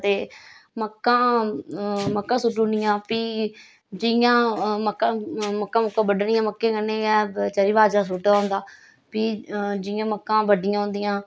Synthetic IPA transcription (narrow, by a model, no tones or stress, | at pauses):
t̪eːməkːãː | məkːãːsʊʈːũːnɪjãːpiː | d͡ʒɪjãːməkːãːməkːãːməkːãːbəɖɳɪjãːməkːẽːɡənẽːɛːt͡ʃəɾiːʋaːd͡ʒaːsuːʈaʊnd̪aː | piːd͡ʒɪjãːməkːãːbəɖɪjãːɦʊ̃nd̪ɪjãː